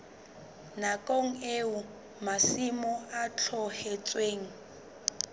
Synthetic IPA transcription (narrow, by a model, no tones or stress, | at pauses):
nakʼoŋ̩eu | masimɔat͡ɬʰɔhɛt͡sʼweːŋ̩